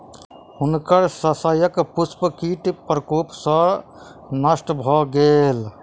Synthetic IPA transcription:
ʊnkəɾsəsajəkpʊspkiːʈpəɾkoːpsɔ̃ | nɐsʈbʱɔːɡeːl

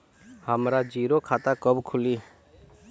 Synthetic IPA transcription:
həmɾad͡ʒiːɾokʰat̪akəbkʰʊliː

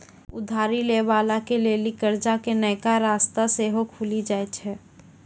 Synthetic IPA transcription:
ʊd̪ʱaːɾileːʋaːlakeleːlikəɾd͡ʒakenɐɪkaɾaːst̪aseːɦokʰuːlid͡ʒaːet͡ʃʰɛː

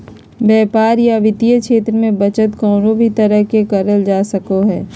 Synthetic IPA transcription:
bɛːpaːɾjaʋɪt̪ijəkʃʰeːt̪ɾəmẽbɐt͡ʃət̪kɔːɾobʱit̪ɐɾəɦkekɐɾəld͡ʒaːsɐkoɦɛː

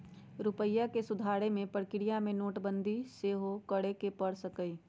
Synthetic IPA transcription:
ɾʊpəjːakesʊd̪ʱaːɽemẽpəɽkɪɾijamẽnoːʈbə̃nd̪ʱiseːɦokəɽekepəɽsəkəi

